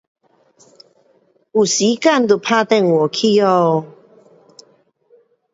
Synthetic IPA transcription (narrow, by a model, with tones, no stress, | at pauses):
u˨˩si˨˦ka˥˨nt̪u˨˩pʰa˥˧t̪ɛ˥˨ŋwɔ˨˩kʰi˥˧˦ɔ˥˧˨